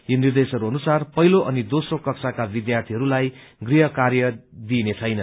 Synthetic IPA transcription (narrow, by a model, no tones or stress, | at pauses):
jonird̪esʌɾuɦʌnusarpʌɦiloʔʌnid̪osrokʌksakabid̪jart̪ʰiɦʌɾulajɡriɦʌkarjʌd̪inet͡sʰʌjnʌ